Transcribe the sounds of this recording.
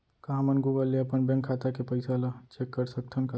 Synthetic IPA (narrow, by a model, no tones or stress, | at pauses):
kaɦmənɡuɡəlːeəpənbɛ̃ŋkʰːaːt̪akepəɪsalat͡ʃekːəɾsək̚t̪ʰənka